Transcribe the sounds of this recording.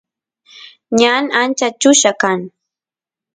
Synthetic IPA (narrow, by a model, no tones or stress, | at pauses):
ɲanant͡ʃat͡ʃʊʃakaŋ